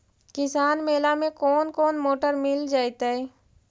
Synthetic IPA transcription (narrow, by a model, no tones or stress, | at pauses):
kɪsaːnmeːlamẽkɔːnkɔːnmoːʈəɾmɪld͡ʒaːjt̪aɦɛː